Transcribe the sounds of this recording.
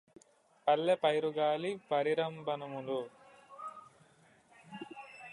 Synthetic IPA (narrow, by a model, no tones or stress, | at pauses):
pɐlːepɐjɾuɡaːlipɐɾiɾɐmbʱɐnɐmunu